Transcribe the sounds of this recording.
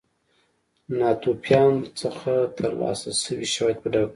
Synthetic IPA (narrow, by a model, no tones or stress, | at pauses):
nɑt̪opjɑnt͡səxat̪ʰəɾlɑ̰sasəwiʃawɑjad̪̚pəɖa